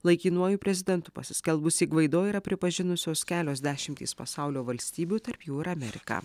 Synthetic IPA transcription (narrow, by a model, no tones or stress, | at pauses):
lˠɐɪkʲiːnuɔjuːpʲɾʲɛzʲɪd̪ʲɛnt̪ʊ̥pɐsʲɪsʲkʲɛlˠbʊsʲiːkʋɐɪd̪oːiɾɐpʲɾʲɪpɐʒʲɪnʊsʲoːskʲæːlʲoːsd̪ʲæːʃʲɪmʲt̪ʲḭːspɐ̰sɑʊlʲoːʋɐlʲsʲt̪ʲiːbʲuːt̪ɐɾpjuːɪɾɐmʲɛɾʲɪkɑ̰ː